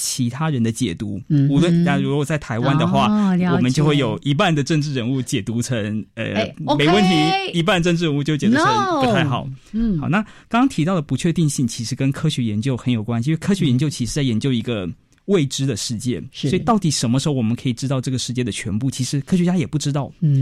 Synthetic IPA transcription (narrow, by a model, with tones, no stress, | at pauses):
t͡ɕʰi˧˥t̪ʰa˥ɻə˧˥nd̪ə˧t͡ɕjɛ̰˨˩t̪ṵ˧˥u˧˥lə˥˩na˥˩ɻu˧˥ɔ˥wɔ˧˩t͡sa˥˩ɪt̪ʰa˧˥ɪwa˥nd̪ə˨xwa˥˩wɔ˨˩mə˦nt͡ɕjo˥˧ʊxwe˥˩ɪjo˨˩ʊʔi˧˥p̬a˥˩nd̪ə˩ʈ͡ʂə˥˧ŋʈ͡ʂɻ̩˥˩ɻə˧˥nu˥˩t͡ɕjɛ˨˩t̪u˧˥ʈ͡ʂʰə˧˥ŋə̰˧me˨˥ɪwə˥˩nt̪ʰi˧˥i˧˥p̬a˥˧˩ʈ͡ʂə˥˧ʈ͡ʂɻ̩˥˩ɻə˧nu˥˧t͡ɕo˥˧˥t͡ɕɛ˨˩u˥pu˥t̪ʰa˥˩ɪxɑ˨˩˦ʊxɑ˨˩˦na˥˩kɑ˥ŋkɑ˥ŋt̪ʰi˧˥t̪ɑ˥˩ʊd̪ə˩pu˧˥t͡ɕʰɥɛ˥˧t̪i˥˧ŋɕi˥˩ŋt͡ɕʰi˧˥ʂɻ̩˧˥kə˥nkʰɤ˥ɕɥɛ˧˥jɛ˧˥nt͡ɕjo˥˩ʊxə˧˥njo˨˩ʊkwa˥nɕi˨˧˥wkʰɤ˥ɕɥɛ˧˥jɛ˧nt͡ɕjo˥˧ʊt͡ɕʰi˧˥ʂɻ̩˧˥t͡sa˥˩ɪjɛ˧˥nt͡ɕjo˥˩ʊi˧˥ɡə˧ | we˥˩ɪʈ͡ʂɻ̩˥d̪ə˨ʂɻ̩˥˧t͡ɕjɛ̰˥˩swɔ˧˥i˨˩t̪ɑ˥˩ʊt̪i˨˩ʂə˧˥nmə˧ʂɻ̩˧˥xo˥˩ʊwɔ˨˩mə˦kʰɤ˧˥i˨˩ʈ͡ʂɻ̩˥t̪ɑ˥˧ʊʈ͡ʂɤ˥˩ɡə˩ʂɻ̩˥˧t͡ɕjɛ˥˩d̪ə˩t͡ɕʰɥɛ˧˥npu˥˩t͡ɕʰi˧˥ʂɻ̩˧˥kʰɤ˥ɕ̬ɥɛ˧t͡ɕja˥jɛ˨˩pu˥˩ʈ͡ʂɻ̩˥t̪ɑ˥˩ʊ